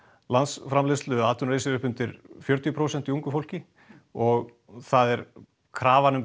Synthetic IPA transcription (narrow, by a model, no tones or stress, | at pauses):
lansfɾamlest̪lʏaːt̪ʰʏnreːjsɪɾʏhpʏnt̪ɪɾfjœɾt̪jʏpʰɾoːwsɛn̥t̪iuŋkʏfowl̥cɪ | ɔɣ | θaðɛɾ | kʰɾaːvanʏm